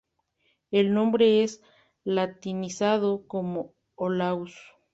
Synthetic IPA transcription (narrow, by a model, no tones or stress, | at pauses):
elnõmbɾees | lat̪inisaðokomo | olaws